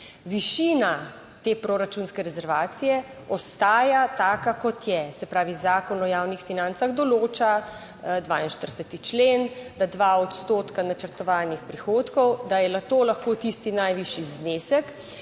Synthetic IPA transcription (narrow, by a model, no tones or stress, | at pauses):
ʋiʃina | t̪eːpɾoɾat͡ʃunskɛɾɛzɛɾʋaːt̪sijɛ | ɔst̪aːjat̪aːkakɔt̪jɛsɛpɾaːʋizaːkɔnɔjaːwnixfinant̪saɣd̪ɔloːt͡ʃa | d̪ʋaːinʃt̪əɾsɛt̪it͡ʃlend̪ad̪ʋaɔt̪st̪oːt̪kanat͡ʃəɾt̪ɔʋaːnixpɾixoːt̪kɔwd̪ajɛlakt̪oːlaxkoːt̪ist̪inajʋiːʃizneːsɛk